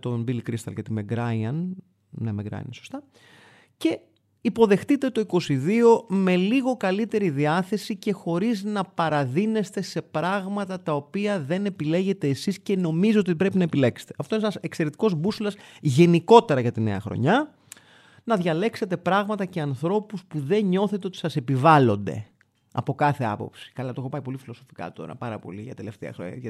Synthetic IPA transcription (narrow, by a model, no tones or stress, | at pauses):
t̪ombilikɾist̪ɐ̰lcet̪imeɡɾɐjɐn | nemeɡɾɐ̰jḭnso̞st̪ɐ | ce̞ | ipo̞ðe̞xt̪it̪e̞t̪o̞iko̞siðio̞me̞liɣo̞kɐlit̪e̞ɾiðiɐθe̞sice̞xo̞ɾiznɐpɐɾɐðine̞st̪e̞se̞pɾɐɣmɐt̪ɐt̪ɐopiɐðe̞ne̞pile̞ʝe̞t̪eːsisce̞no̞mizoot̪ipɾe̞pinɐepile̞kse̥t̪e̞ɐft̪oneenɐsekse̞ɾet̪i̥ko̞zbuslɐsʝe̞niko̞t̪e̞ɾɐʝɐt̪ine̞̰ɐ̰xɾo̞̰ɲɐ | nɐðʝɐle̞kse̞t̪e̞pɾɐɣmɐt̪ɐce̞ɐnθɾo̞puspuðe̞ɲɲo̞θe̞t̪eot̪i̥sɐse̞pivɐlo̞nd̪e̞̰ | ɐ̰po̞kɐθe̞ɐ̰po̞psi̥kɐlɐt̪oexo̞pɐipo̞lifiloso̞fi̥kɐ̰t̪o̞̰ɾɐ̰pɐɾɐ̰po̞̰liʝɐt̪e̞le̞ft̪eɐ̰xɾo̰